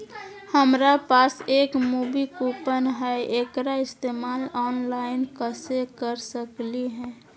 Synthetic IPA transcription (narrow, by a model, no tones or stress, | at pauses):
həmɾapasekmubikupənɦɛekɾaɪst̪emalɔːnlaɪnkəsekəɾsəkliɦɛ̃